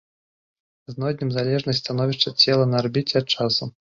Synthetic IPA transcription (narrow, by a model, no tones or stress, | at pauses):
znɔd̪ʲnʲimzalʲɛʐnɐsʲtʲsʲt̪anɔvʲiʂt͡ʂɐt͡sʲɛlˠɐnɐarbʲit͡sʲɛat̪̚t͡ʂasu